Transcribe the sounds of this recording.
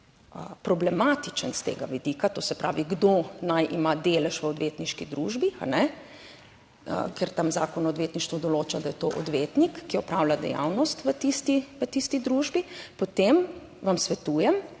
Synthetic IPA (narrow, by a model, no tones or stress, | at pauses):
əpɾɔblɛmaːt̪it͡ʃənst̪ḛːɡa̰ʋid̪iːkat̪oːsɛpɾa̰ːʋiɡd̪oːnajʔimad̪eːlɛʃʋəɔd̪ʋeːt̪niʃkid̪ɾuːʒbia̰nɛ | ə̰kɛɾt̪amza̰ːkɔnɔːd̪ʋeːt̪niʃt̪ʋɔd̪ɔloːt͡ʃad̪ajɛt̪oːʔɔ̰d̪ʋeːt̪nikːiɔpɾaːwlʲad̪ɛ̰ja̰wnɔst̪ʋət̪ist̪iʋət̪ist̪id̪ɾuːʒbipot̪em | ʋamsʋɛt̪uːjɛm